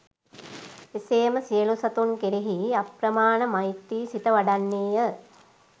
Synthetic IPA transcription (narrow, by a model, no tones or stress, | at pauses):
eseːməsijəlusɐt̪unkeɾeɦiapɾəmaːnəmajt̪ːiːsit̪əʋaɖanːeːjə